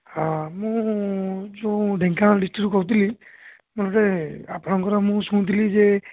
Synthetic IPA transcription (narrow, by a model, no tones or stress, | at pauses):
hãmũ | d͡ʒoɖʱɛŋkʰaɖisʈiʈukɔut̪̬ili | mɔlɔʈeapɔnɔŋkɔɾamũsuũt̪̬ilize